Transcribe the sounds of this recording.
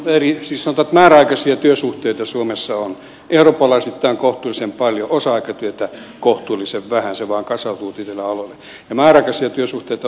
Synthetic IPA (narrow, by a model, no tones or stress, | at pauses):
erisiːssɑnot̪ɑet̪mæːræɑikɑsiɑt̪yøsuht̪eit̪ɑsuomesːɑon | euroːpːˑɑlɑˑisit̪ːˑæːŋkoht̪uːlisemppɑljoʔosɑɑikɑt̪yøt̪ækoht̪ulːˑiseʋʋæhænseʋɑːŋkɑsɑut̪uːt̪it̪elːæɑlolːe | jɑmæːræɑˑikɑsiɑt̪yøsuht̪eit̪ɑ